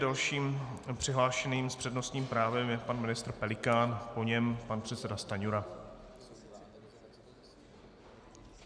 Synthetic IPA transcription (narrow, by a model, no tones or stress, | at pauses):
dalʃiːmpr̝̥ɪɦlaːʃɛniːmspr̥ɛdno̞st̪ɲiːmpɾaːvɛmjɛpanmɪnɪst̪ɾpɛlɪkaːnpo̞ɲɛmpanpr̝̥ɛt̪sɛdast̪aɲuɾa